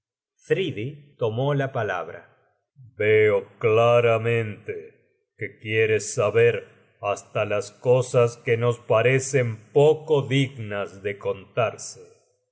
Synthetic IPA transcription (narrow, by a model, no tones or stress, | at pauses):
fɾiðit̪o̞molapala̰βɾa̰ | beoklaɾamẽnt̪e | kekjeɾesːaβeɾ | ast̪alaskosaskeno̞spaɾese̞mpokoðiɣnazðeko̞nt̪aɾse